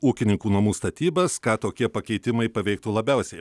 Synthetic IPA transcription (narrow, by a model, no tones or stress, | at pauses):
uːkʲɪnʲɪŋkuːnɐmuːst̪ɐt̪ʲiːbɐskɑːt̪oːkʲiɛpɐkʲɛɪt̪ʲɪmɐɪpɐʋʲɛɪk̚t̪uːlˠɐbʲɛʊsʲɛɪ